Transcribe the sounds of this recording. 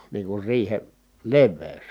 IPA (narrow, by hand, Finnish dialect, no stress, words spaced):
niːŋ kur riːhe leʋːeˑy̞s